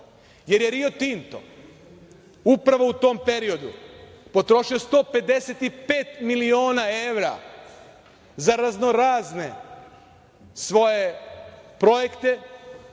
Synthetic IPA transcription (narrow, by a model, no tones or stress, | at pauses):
je̞ɾjeɾiot̪int̪o̞̰ | upɾaʋo̞ut̪o̞mpe̞ɾio̞d̪ṵpo̞t̪ɾoʃiost̪o̞ːpe̞d̪e̞set̪ipe̞ːt̪milioːnae̞ʋɾa̰ | zaɾazno̞ɾaːzne | sʋo̞je̞ | pɾo̞jekt̪e̞